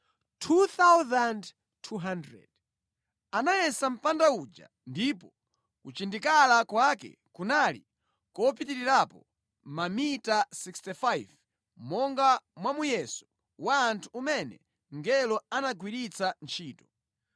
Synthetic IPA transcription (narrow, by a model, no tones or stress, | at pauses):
tʰuθawzand | tʰːuɦandɹɛ̰d̥ | anajɛsam̩pandaud͡ʒa̰ | ndipɔ | kut͡ʃindikalakwakɛ̰ | kunalḭ | kɔpitiɾiɾapɔ | mamitasikstifajv | mɔŋɡamwamujɛsu̥ | waːntʰuːmɛnɛ̰ | ŋɡɛlɔanaɡwiɾit͡sant͡ʃʰiːtɔ